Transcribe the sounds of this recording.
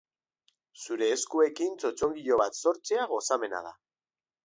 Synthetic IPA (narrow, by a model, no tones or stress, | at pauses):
suɾe̞ːskue̞kint͡so̞t͡so̞ŋɡiʎo̞β̞at̪so̞ɾt͡seaɣ̞o̞same̞na̰ð̞a̰